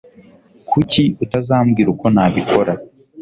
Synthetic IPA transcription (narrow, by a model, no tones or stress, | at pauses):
kʰuciutazaːmɡiːɾuko̞naβikʰo̞ɾa